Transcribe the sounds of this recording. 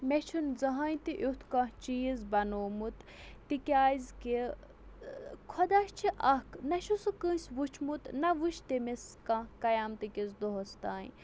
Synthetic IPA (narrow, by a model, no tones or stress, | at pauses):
met͡ʃʰunzɐɦaːjt̪iʔut̪ʰkãt͡ʃijizbɐnoːmut̪ː | ikʲaːjzki | kʰod̪aʃt͡ʃʰiʔɐknɐʃusukə̃ːsʲʋut͡ʃʰmut̪nɐʋuʃʰt̪emeskãkɐjaːmt̪ikʲizd̪oɦost̪aːj